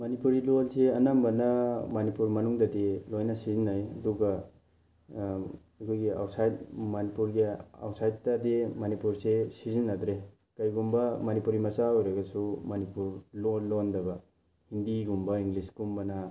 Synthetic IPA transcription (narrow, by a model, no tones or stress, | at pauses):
mɐnipuɾilolseɐnambɐnɐmɐnipuɾmɐnuŋdɐdelojnɐsizinajɐ̰duɡɐ | ɐkʰojɡia̰wsajdmanipuɾɡia̰wsajt̚tademanipuɾsesizinːad̪ɾe | kɐjɡumbɐmɐnipuɾimɐsaojɾɐɡɐsumɐnipuɾlolːondɐbɐ | hindiɡumbɐiŋɡlisɡ̥umbɐnɐ